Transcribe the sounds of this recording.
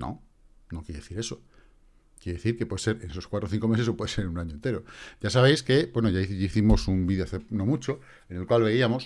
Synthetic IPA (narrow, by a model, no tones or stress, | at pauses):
no̰ | nokjeɾeeθiɾe̞so̞ | kjeɾeeθiɾke̞pwe̞ðese̞ɾene̞so̞skwat̪ɾoθiŋko̞me̞se̞sopwe̞ðese̞ɾunaɲoent̪e̞ɾo̞ʝasaβe̞jske̞bwe̞noʝaʝaiθimo̞sumbiðjoaθeno̞mut͡ʃo̞ | e̞ne̞lkwalβe̞iamo̞s